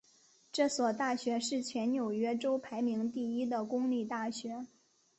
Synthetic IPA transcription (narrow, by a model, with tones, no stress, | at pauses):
ʈ͡ʂɤ˥˩swɔ˨˩t̪a˥˩ɕɥɛ˧˥ʂɻ̩˥˩t͡ɕʰɥɛ˧˥nnjo˨˩ʊɥɛ˥ʈ͡ʂo˥ʊpʰa˧˥ɪmi˧˥ŋt̪i˥˩i˥d̪ə˨kʊ˥ŋli˥˧t̪a˥˩ɕɥɛ˧˥